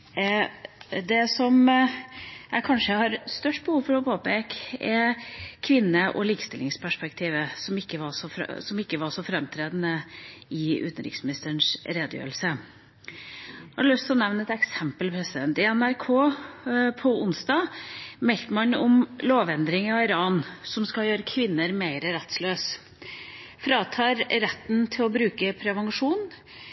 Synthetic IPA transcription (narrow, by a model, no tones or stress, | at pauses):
d̪ɛsɔm | æɪkʰɑnʂəhɑɾst̪œʂʈ̚bəhuːʋfɔɾɔpʰoːpɛkɛkʰʋɪnːəʔɔ̰liːkə̥st̪ɪlɪŋspʰæʂpɛkt̪ʰiːʋəsɔmɪkːəʋɑsɔfɾ̰sɔmɪkːəʋɑʂɔfɾɛmt̪ʰɾeːd̪ənəɪʉ̰t̪ənɾɪ̰ksmɪnɪst̪əɳʂɾeːd̪əjø̰ːɾəl̩sə | hɑɾɖəlʏst̪ʰɪlɔnɛʋnəɛt̪ɛksɛmpəlpʰɾɛsɪd̪ɛnt̪ɪɛnæɾkʰoː | pʰɔʊnsd̪ɑːmɛlk̪əmɑnɔmloːʋɛnd̪ɾɪŋɑɪɾɑːnsɔmskɑljøːɾəkʰʋɪnːəɾmeɪɾəɾɛt̪sløːs | fɾɑːt̪ʰɑːɾɾɛt̪ːnt̪ʰɪlɔbɾʉːkəpʰɾɛʋɑŋʂuːn